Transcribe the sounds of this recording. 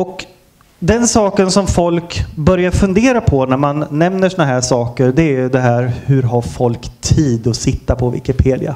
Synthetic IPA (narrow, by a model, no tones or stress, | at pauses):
ɔk | d̪ɛnsɑːkənsɔmfɔlkbœɾjaɾfɵnd̪eːɾapʰɔnæɾmanːɛmnəʂɔnaɦæːʂɑːkəɾɖ̪ɛæɾjɵd̪ɛɦæːɾhɵɾɦaɾfɔlkt̪ʰiːd̪ɔsɪt̪ːapʰɔvɪ̰kɪpʰeːd̪ɪ̰a̰